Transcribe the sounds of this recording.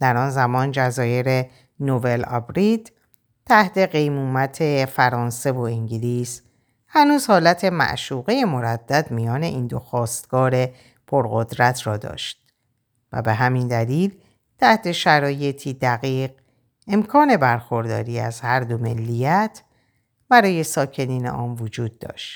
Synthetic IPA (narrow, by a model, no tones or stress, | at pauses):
d̪̥æɾɒːnzæmɒːnd͡ʒæzɒːje̞ɾe̞ | nobe̞lɒ̰bɾid̪ | t̪ʰæht̪ʰe̞ɣe̞jmuːmæt̪ʰe̞fæɾɒːnse̞vo̞iŋɟiliːs | hænuːz̥hɒːlæt̪ʰe̞mæ̰ʔʃuːɣeje̞mo̞ɾæd̪̥ːæd̪mijɒːne̞̰ʔiːnd̪o̞xɒːst̪ɡ̥ɒːɾe̞ | pʰo̞ɾɣo̞d̪ɾæt̪ʰɾɒːd̪ɒ̰ːʃt̪̚ | væ̰be̞ɦæmind̪æliːl | t̪ʰæht̪ʰe̞ʃæɾɒːje̞t̪ʰiːd̪æɣiːɢ | e̞mkʰɒːne̞bæɾxo̞ɾd̪ɒ̰ːɾiːæ̰zhæɾd̪o̞me̞lːijæt̪ʰ | bæɾɒːje̞sɒːcʰe̞niːnḛʔɒːnvod͡ʒuːd̪̚ːɒ̰ːʃt̪